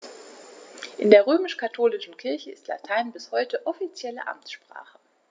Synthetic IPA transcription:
ʔɪndeːɐʁ̞øːmɪʃkʰatʰoːlɪʃn̩kʰɪɐçəɪ̰stla̰tʰaɪnbɪshɔʏtəʔɔfit͡sjɛlə̰ʔa̰mt͡sʃpʁ̥a̰ːχə

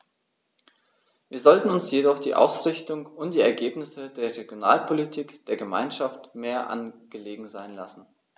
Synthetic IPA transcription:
viːɐzɔltn̩ʊnsjedɔχd̥ḭːʔa̰ʊsʁ̥ɪçtʊŋʊntd̥iːɛɐɡeːpnɪsədeːɐʁeɡjona̰ːlpʰolitʰiːkd̥eːɐɡəma̰ɪnʃaftmeːɐʔa̰nɡ̥əleːɡŋ̩zaɪnla̰sn̩

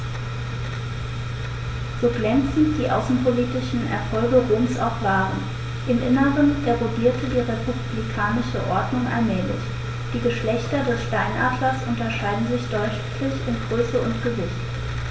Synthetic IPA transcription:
z̥oːɡlɛnt͡sn̩t̚d̥iːʔa̰ʊsn̩pʰoliːtɪʃn̩ɛ̰ɐfɔlɡəʁoːmsaʊχv̥aːʁən | ʔɪmʔɪnəʁəndeʁodiːɐtədiːʁepʰub̥likʰaːnɪʃəʔɔɐdnʊŋʔa̰lmɛːlɪ̰ç | d̥iːɡəʃlɛçtɐdɛsʃtaɪnʔaːdlɐsʔʊntɐʃaɪdn̩zɪçd̥ɔʏ | lɪçɪnɡʁøːsəʊntɡ̥əvɪçt

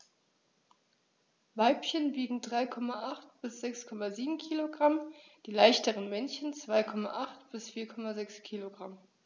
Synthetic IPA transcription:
vaɪpçənbiːɡŋ̩dʁaɪkʰɔmaʔaχtb̥ɪsz̥ɛkskʰɔmaziːbm̩kʰiːloɡʁamd̥iːlaɪçtəʁənmɛnçənt͡sv̥aɪkʰɔma̰ʔaχtb̥ɪsfiːɐkʰɔmazɛkskʰiːloɡʁam

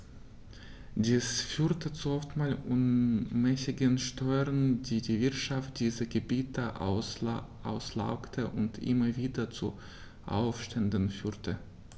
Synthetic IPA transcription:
d̥iːsfyːɐtʰət͡suɔftmaːlʔunmɛsɪɡənʃtɔʏʁəndiːdiːvɪɐtʃaft̚d̥iːzəɡəbiːtəʔ | ʔa̰ʊsla̰ʊktʰəʔʊntʔɪ̰mɐviːdɐt͡su | ʔa̰ʊfʃtɛndənfyːʁtʰə

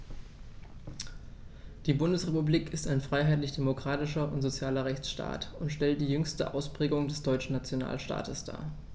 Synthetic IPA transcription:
d̥iːbʊndəsʁepubliːkɪstaɪnfʁ̥aɪɦaɪtlɪçd̥emokʁ̥aːtɪʃɐʔʊntz̥ot͡sjaːlɐʁɛçt͡sʃta̰ːtʊntʃtɛlt̚d̥iːjʏŋstə̰ʔa̰ʊspʁ̥ɛːɡʊŋdɛsd̥ɔʏt͡ʃn̩nat͡sjona̰ːlʃta̰ːtəsd̥a̰ː

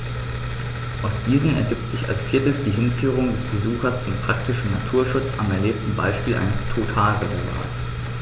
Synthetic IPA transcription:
ʔaʊsd̥iːzənɛ̰ɐɡɪp̚tz̥ɪça̰lsfiːɐtəsd̥iːɦɪnfyːʁ̞ʊŋdɛsb̥əzuːxɐst͡sʊmpʁ̥ak̚tɪʃn̩natʰuːɐʃʊt͡sa̰mɛɐleːp̚tn̩ba̰ɪʃpiːlʔa̰ɪnəstʰotʰaːlʁezɛlva̰ːs

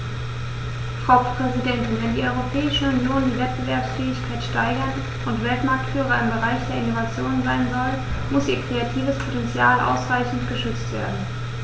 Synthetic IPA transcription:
fʁ̥aʊpʁ̥ɛzidɛntɪnvɛndiːʔɔʏʁopʰɛːɪʃəʊnjoːndiːvɛt̚b̥əvɛɐpsfɛːɪçkʰaɪtʃtaɪɡɐn | ʔʊntv̥ɛltmaɐk̚tfyːʁ̞ɐɪmbəʁaɪçd̥eːɐɪnovat͡sjoːnnzaɪnzɔlmʊsʔiːɐkʁ̥eatʰiːvəspʰotɛnt͡sjaːlʔa̰ʊsʁaɪçn̩tɡ̥əʃʏt͡stv̥eːɐdn̩

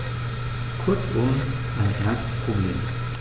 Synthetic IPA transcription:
kʰʊɐt͡sʊm | ʔaɪnʔɛɐstpʁ̥oblḛːm

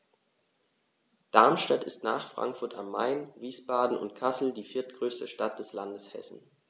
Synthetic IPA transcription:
d̥aɐmʃtatɪstna̰ːχfʁ̥a̰ŋkfʊɐta̰mːaɪnviːsb̥aːdn̩ʊ̰ntkʰasl̩diːfɪɐtɡ̥ʁøːstəʃtat̚d̥ɛslandəshɛ̰sn̩

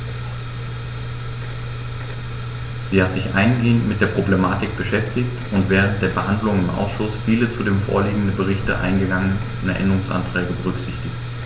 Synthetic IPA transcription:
z̥iːhatz̥ɪçʔa̰ɪnɡeːəntmɪtd̥eːɐpʁ̥oblemaːtɪk̚b̥əʃɛftɪçtʊntv̥ɛːʁ̞ənt̚d̥eːɐbəhandlʊŋɪmʔa̰ʊsʃʊsfiːlət͡sudeːmfo̰ːɐliːɡŋ̩dəbəʁ̞ɪçtə̰ʔa̰ɪnɡəɡaŋən | nɛɐʔɛ̰ndəʁʊŋsʔa̰ntʁ̥ɛːɡəbəʁʏkz̥ɪçtɪçt

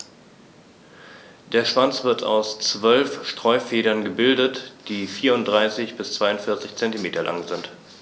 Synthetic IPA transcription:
d̥eːɐʃv̥ant͡sv̥ɪɐtʰa̰ʊst͡sv̥œlfʃtʁ̥ɔʏfeːɾɐnɡəbɪldətd̥iːfiːɐʊntd̥ʁaɪsɪçb̥ɪst͡sv̥aɪʊntfɪɐt͡sɪçt͡sɛntimeːtɐlʔa̰ŋzɪnt

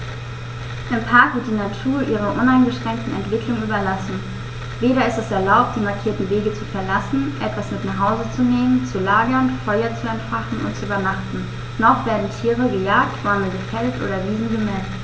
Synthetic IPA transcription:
ʔɪmpʰaɐkv̥ɪɐtd̥iːnatʰuːɐʔiːʁ̞əʔʊnaɪnɡəʃʁ̥ɛŋk̚tn̩ɛ̰ntv̥ɪkʰlʊŋyːbɐlasn̩ | veːɾɐɪstɛsɛɐlaʊp̚t̚d̥iːmaɐkʰiːɐtn̩veːɡət͡sufɛɐlasn̩ʔɛtv̥asmɪtnaχɦaʊzət͡suneːmənt͡sulaːɡɐnfɔʏɐt͡suɛntfaχn̩ʊ̰nt̚t͡suyːbɐnaχtn̩ | nɔχv̥eːɐdn̩tʰiːʁəɡəjaːk̚tv̥aɐml̩ɡəfɛltʔo̰ːɾɐviːzn̩ɡəmɛl

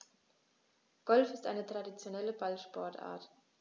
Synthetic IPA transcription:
ɡ̥ɔlfɪstʔaɪnətʁ̥adit͡sjonɛləbalʃpɔɐta̰ːɐt

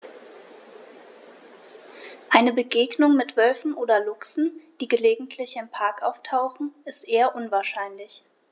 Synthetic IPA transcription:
ʔaɪnəbəɡeːɡnʊŋmɪtv̥œlfn̩ʔoːdɐlʊksn̩d̥iːɡəleːɡŋ̩tʰlɪçɪmpʰaɐkʔaʊftʰaʊxn̩ɪstʔeːɐʔʊnvaːɐʃaɪnlɪç

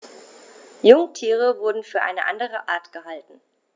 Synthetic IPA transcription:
jʊŋtʰiːʁ̞əvʊɐdn̩fyːɐʔa̰ɪnəʔa̰ndəʁ̞əʔaːɐtɡ̥əhaltn̩

